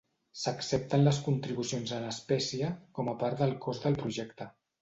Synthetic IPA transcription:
səksɛp̚t̪ənləskunt̪ɾiβusionzələspɛsiəkɔməpaɾðəlˠkʰozðəlˠpɾuʒɛkt̪ə

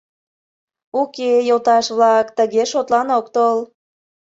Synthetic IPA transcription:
okejolt̪ɑʃβlɑkt̪əɣeʃot̪lɑnok̚t̪ol

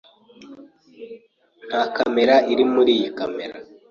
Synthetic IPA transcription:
n̥hakame̞ɾaiɾimuɾiːjikame̞ɾa

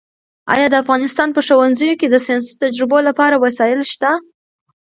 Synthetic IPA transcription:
ɑ̰jɑd̪əafɣɑnɪst̪ɑnpəʃowanzəjoked̪əsijɑnsi̥t̪ad͡ʒɾɪbolapɑɾawasɑjɪlʃt̪a

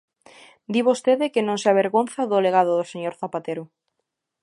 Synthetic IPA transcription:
d̪iβost̪eðɪkɪnõŋseaβeɾɣonθaðʊleɣaðʊðʊseɲoɾθapat̪eɾʊ

